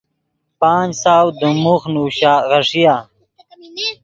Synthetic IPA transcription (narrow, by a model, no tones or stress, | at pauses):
paːnsaːwd̪umuxnuːɕaɣɐʂijaː